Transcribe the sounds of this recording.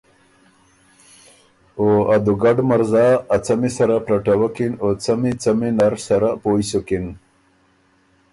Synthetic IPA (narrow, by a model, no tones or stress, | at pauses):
oad̪uɡaɖmaɾzaːt͡samisaɾapɾaʈawakinot͡samit͡saminaɾsaɾapojsokin